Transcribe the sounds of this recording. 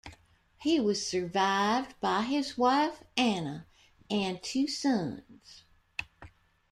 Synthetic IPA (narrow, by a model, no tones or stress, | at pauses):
hiwʌz̥sə˞vaɪvdbaɪɪzwaɪfænə | ɨ̃ntʰʉsʌ̃nz̥